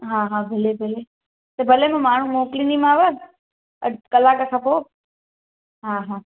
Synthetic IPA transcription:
ɦãːɦaːbʱɪlebʱɪle | t̪ɐbʱɐlemẽmaːɳ̤ũmoːklinimãːʋə | kɐlaːkəkʰãpoː | ɦaːɦãː

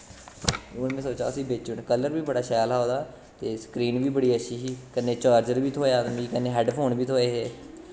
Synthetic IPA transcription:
ʊnmẽːsoːt͡ʃa̰ːsĩːbet͡ʃʊɳkələɾʋiːbəɽaːʃaːlaːoːd̪aː | t̪eːsə̥kɾiːnʋiːbəɽiːəʃʰiːɦiːkənːeːt͡ʃaːɾd͡ʒəɾʋiːt̪ʰoːjaːd̪miːkənːeːɦɛːɖpʰoːnbiːt̪ʰoːeːɦɛː

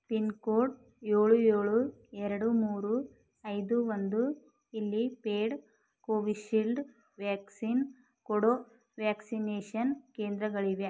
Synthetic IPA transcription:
pinkoːʈ | jeːɭujeːɭuɛɾɐɽumuːɾu | ɐjd̪uʋond̪u | ilːipeːɖ | koːʋiʃilɖ | ʋaːksin | kɔɽoː | ʋaːksineːʃɐnkeːnd̪ɾɐɡɐɭiʋe

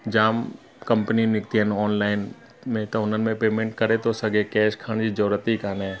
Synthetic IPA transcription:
d͡ʒaːm | kɐ̃mpəninɪkt̪iɦənɔːnlaːɪn | mẽt̪ɐʊnən̆mẽpeːmẽːɳʈkɐɾet̪ʰosɐɡekɛːʃkʰaːɽ̃d͡ʑiːd͡ʒəɾuɾət̪ikaːneɦɛ̃

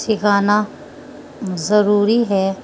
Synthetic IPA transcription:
sɪkaːna | zɐɾuːɾiɦɛː

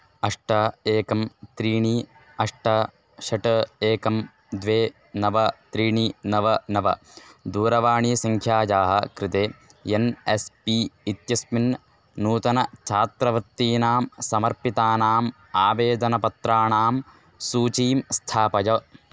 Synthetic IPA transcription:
ɐʂʈɐeːkɐmt̪ɾiːɳi | ɐʂʈɐ | ʃɐʈɐeːkɐm | d̪ʋeː | nɐʋɐt̪ɾiːɳinɐʋɐnɐʋɐ̰ | d̪uːɾɐʋaːɳisɐŋkʰjaːd͡ʒaːɦɐkɾɪt̪eː | jɐnespiit̪jɐsmin | nuːt̪ɐnɐt͡ʃʰaːt̪ɾɐʋɾɪt̪ːiːnaːmsɐmɐɾpit̪aːnaːm | aːʋeːd̪ɐnɐpɐt̪ɾaːɳaːm | suːt͡ʃiːmst̪ʰaːpɐjɐ

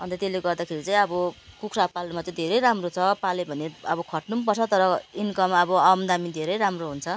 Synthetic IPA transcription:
ʌnt̪ʌt̪eleɡʌrd̪akʰeɾit͡saĩʌbʌkukʰrapalmat͡saĩd̪ʱeɾʌjɾamrot͡sʰʌpalebʱʌneʌbʌkʰʌʈnumpʌrt͡sʰʌt̪ʌɾʌinkʌmʌbʌʌmd̪amid̪ʱeɾʌjɾamroɦunt͡sʰʌ

